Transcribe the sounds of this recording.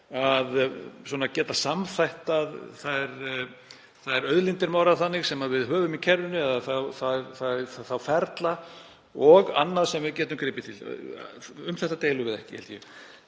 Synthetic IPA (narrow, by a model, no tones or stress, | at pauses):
aðswɔːnacɛːt̪asamθajht̪aðθaðɛɾ | θaðɛɾœðlint̪ɪɾmaːwɾaθanːɪɣsɛmaðvɪðɦœːvʏmicʰɛɾðʏnʏɛðaθawθaðθaθaθawfɛɾt̪la | ɔɣa̰nːaðsɛmvɪcɛːt̪ʏmkɾɪːpɪt̪ʰɪl | ʏmθɛht̪at̪eːjlʏɣɪðɛ̰hcɪhɛlt̪jɛ